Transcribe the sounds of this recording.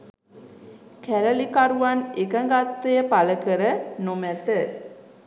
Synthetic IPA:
kʰæɾəlikaɾuʋanekəŋɡat̪ːejəpaləkəɾənomæt̪ə

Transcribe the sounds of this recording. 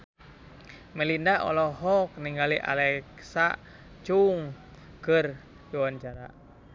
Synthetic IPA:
mɛlindaɔ̰lɔɦɔk̚niŋɡaliʔa̰lɛksa̰ | t͡ʃuŋ | kər | juwant͡ʃaɾa̰

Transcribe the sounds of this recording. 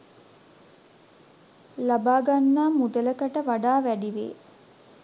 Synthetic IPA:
labaːɡanːaːmud̪ələkəʈəʋaɖaːʋæɖiʋḛː

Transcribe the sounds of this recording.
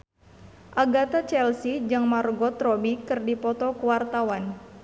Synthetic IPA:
ʔaɡat̪at͡ʃɛlsid͡ʒɨŋmarɡɔt̪ɾɔbikɨrdipɔt̪ɔkuwart̪awan

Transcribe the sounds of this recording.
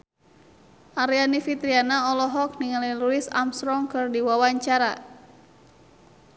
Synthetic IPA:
ʔaɾianifit̪ɾianaɔlɔɦɔk̚niŋaliluɪsa̰mst̪ɾɔŋkɨrdiwawaɲt͡ʃaɾa

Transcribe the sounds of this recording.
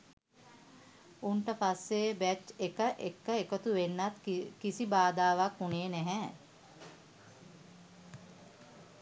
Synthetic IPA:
uɳʈəpasːeːbæt͡ʃekəʔekːəekət̪uʋenːat̪kisibaːd̪aːʋakːuneːnɛɦɛː

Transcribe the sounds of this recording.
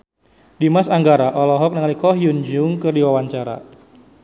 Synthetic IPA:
dimasaŋɡaɾaʔɔlɔɦɔk̚nəŋalikɔɦjund͡ʒʊŋkərdiwawaɲt͡ʃaɾa̰

